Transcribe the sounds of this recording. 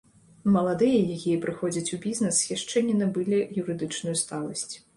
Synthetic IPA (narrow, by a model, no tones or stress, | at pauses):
mɐlˠad̪ɨjɐjakʲijɐpɾɨxɔd͡zʲɐt͡sʲubʲiznɛsjʲaʂt͡ʂɛnʲinɐbɨlʲijuɾɨd̪ɨt͡ʂnujust̪alˠɐsʲt͡sʲ